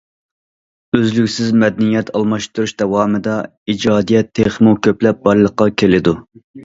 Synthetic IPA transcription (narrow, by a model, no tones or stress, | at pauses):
øzlykʲsɪzmɛd̪ɛnijɛt̪ʰɑlˠmɑʃt̪uɾuʃd̪ɛwɑːmɨd̪ɑ | id͡ʒɑːd̪ijɛt̪ʰːeχmukʲʰøplɛp̚bɑɾlˠəqːɑkʲʰelɪd̪u